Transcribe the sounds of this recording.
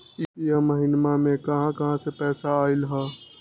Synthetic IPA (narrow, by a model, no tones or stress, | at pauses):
jəməɦɪnmamẽkɐɦãkɐɦãsepɛːsaaːɪlɦɛː